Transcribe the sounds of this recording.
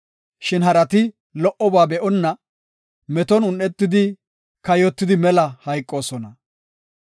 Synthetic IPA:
ʃɪnɦɐɾɐt̪ɪ | lɔʔɔbaːbɛʔɔnːɐ | mɛt̪ɔnʊnʔːɛt̪ːɪd̪ɪ | kɐjɔt̪ːɪd̪ɪmɛlɐhɐjkʼːo̞ːsɔnɐ

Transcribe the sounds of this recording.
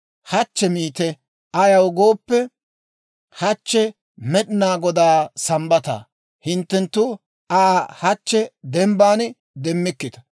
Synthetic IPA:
hɐt͡ʃːɛmiːt̪ɛ | ɐjɐwɡo̞ːpːɛ | hɐt͡ʃːɛ | mɛɗɪnaːɡɔd̪aːsɐmbɐt̪a̰ː | hɪnt̪ːɛnt̪ːʊ | aːhɐt͡ʃːɛd̪ɛmbaːn | d̪ɛmːɪkːɪt̪ɐ̥

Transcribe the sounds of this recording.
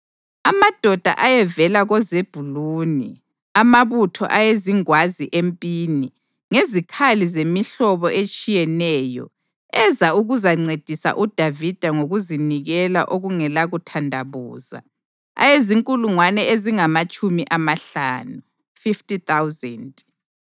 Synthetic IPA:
amad̥ʱɔd̥ʱa̰ʔajɛvɛlaɣɔzeb̥ʱuluːni | amaβutʰɔ̰ʔajeziŋwaziʔempʼini | ŋezikʰalizemiɬɔβɔʔet͡ʃʼijɛnɛːjɔ̰ | ɛzauɣuzaŋ͡ǀed̥ʱisa̰ʔud̥ʱavid̥ʱaŋoɣuziniɣɛla̰ʔoɣuŋɛlaɣutʰandʱaβṵːza̰ | a̰jeziŋkʼuluŋwanɛeziŋamat͡ʃʼumiʔamaɬaːnu | fiftʼit̪awzɛnt

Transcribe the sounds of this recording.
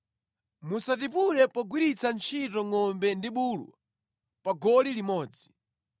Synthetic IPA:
musat̬ipulɛpɔɡwiɾit͡sʰant͡ʃʰitɔŋɔmbɛndiɓuːlwa̰ | paɡɔlilimɔːd͡zi̥

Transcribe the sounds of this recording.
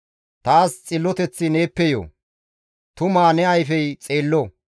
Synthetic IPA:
t̪aːst͡sʼɪlːɔt̪ɛt͡sːɪne̞ːpːɛjo̰ː | t̪ʊmaːnɛɐjfɛjt͡sʼeːlːɔ

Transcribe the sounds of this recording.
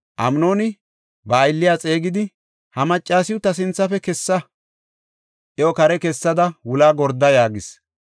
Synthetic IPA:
ʔɐmno̞ːnɪ | bɐːjlːɪjaːt͡sʼe̞ːɡɪd̪ɪ | hɐmɐt͡ʃʼːaːsɪjʊt̪ːɐsɪnt͡sːɐfɛkɛsːɐ | ʔɛɔkɐɾɛkɛsːɐd̪ɐwʊlaːɡɔɾd̪ɐjaːɡɪs

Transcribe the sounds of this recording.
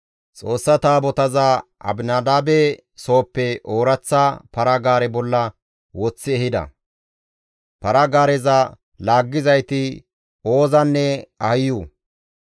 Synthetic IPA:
t͡sʼo̞ːsːɐt̪aːbɔt̪ɐzaʔɐ̰bnad̪aːbɛ | so̞ːpːɛʔoːɾɐt͡sːapɐɾɐɡaːɾɛbɔlːɐ | wɔt͡sːɪɛhɪd̪ɐ̰ | pɐɾɐɡaːɾɛzɐ | laːɡːɪzɐjt̪ɪ | oːzɐnːɛɐhɪjuː

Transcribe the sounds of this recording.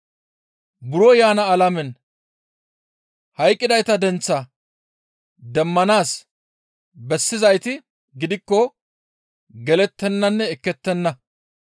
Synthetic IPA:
bʊɾɔjaːnɐːlɐmɛn | hɐjkʼːɪd̪ɐjt̪ɐd̪ɛnt͡sːɐ | d̪ɛmːɐnaːs | bɛsːɪzɐjt̪ɪ | ɡɪd̪ɪkːɔ | ɡɛlɛt̪ːɛnːɐnːɛɛkːɛt̪ːɛnːɐ

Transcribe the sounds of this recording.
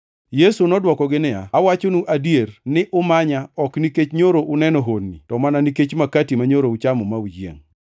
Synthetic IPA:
jesunɔdwɔkɔɡɪnɪa̰awat͡ʃonuʔadjernɪʔʊmaɲaɔkniket͡ʃɲoɾoʔʊnɛnɔɦonːḭtɔmananiket͡ʃmakatimaɲoɾout͡ʃamɔmaud͡ʒjḛŋ

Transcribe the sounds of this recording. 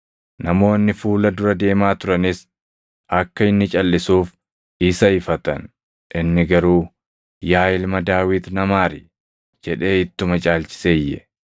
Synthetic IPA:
nɐmo̞ːnːɪfuːlɐd̪ʊɾɐd̪e̞ːmaːt̪ʊɾɐnɪs | ɐkːɐɪnːɪt͡ʃʼɐlːɪsuːf | ɪsɐɪfɐt̪ɐ̰n | ʔɪnːɪɡɐɾuː | jaːɪlmɐd̪aːwɪt̪nɐmaːɾɪ | d͡ʒɛᶑe̞ːɪt̪ːʊmɐt͡ʃʼaːlt͡ʃɪ̥sejːɛ̰

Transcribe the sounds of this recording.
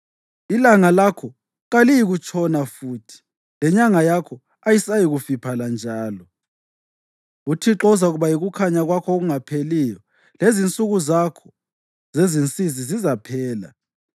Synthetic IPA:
ilaŋalakʰɔ | ɣalijiɣut͡ʃʼʰɔnafuːtʰi̥ | lɛɲaŋajakʰɔ | ajisajiɣufipʰaland͡ʒʱaːlɔ | utʰiǁɔzauɣuβajiɣukʰaɲaɣwakʰɔoɣuŋapʰelijɔ | lezint͡sʼuɣuzakʰɔ̥ | zezint͡sʼizizizapʰɛːla̰

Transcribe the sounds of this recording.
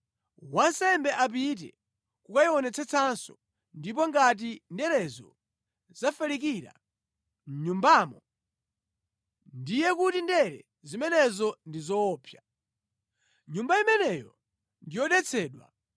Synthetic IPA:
wansɛmbɛʔap̬it̬ɛ̰ | kukaiɔnɛt͡sʰɛt͡sʰansɔ | ndip̬ɔŋɡat̬indɛɾɛzɔ | zafɛlik̬iɾa̰ | m̩ɲumbaːmɔ | ndijɛkutindɛɾɛ | zimɛnɛzɔndizɔːpʰja | ɲumbaimɛnɛjɔ | ndijɔɗɛt͡sʰɛːɗwa̰

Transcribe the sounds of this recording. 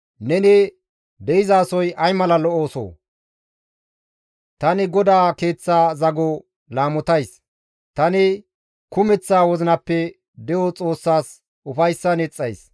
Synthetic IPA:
nɛnɪ | d̪ɛɪzaːsɔjʔɐjmɐlɐlɔoːso̰ː | t̪ɐnɪɡɔd̪aːke̞ːt͡sːaːzɐɡɔ | laːmɔt̪ɐjs | t̪ɐnɪ | kʊmɛt͡sːaːwɔzɪnɐpːɛ | d̪ɛjɔt͡sʼo̞ːsːaːs | ʊfɐjsːɐnɛt͡sʼːɐjs

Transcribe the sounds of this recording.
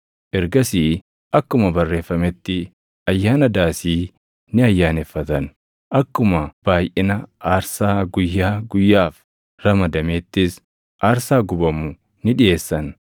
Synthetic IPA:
ʔɛɾɡɐsiː | ʔɐkːʊmɐbɐrːe̞ːfːɐmɛt̪ːɪ | ɐjːaːnɐd̪aːsiː | nɪɐjːaːnɛfːɐt̪ɐn | ʔɐkːʊmɐb̥aːjʔɪnɐaːɾsaːɡʊjːaːɡʊjːaːf | ɾɐmɐd̪ɐmet̪ːɪs | ʔaːɾsaːɡʊbɐmʊ | nɪᶑɪje̞ːsːɐn

